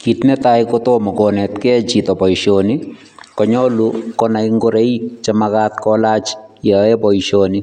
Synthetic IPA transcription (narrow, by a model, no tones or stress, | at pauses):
kitnɛtaikotomɔkonɛtkɛt͡ʃitɔpɔiʃoni | kɔɲɔlukɔnaiŋɡoɾejt͡ʃamakat̪kɔlat͡ʃjaɛpɔjʃoni